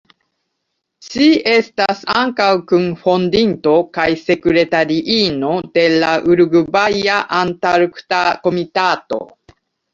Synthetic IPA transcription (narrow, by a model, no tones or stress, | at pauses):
ʃie̞stasaŋkawkunfo̞ndinto̞kajse̞kuɾe̞taɾiʔino̞d̥e̞laʔuɾuɡubajaʔantaɾuktako̞mitato̞̰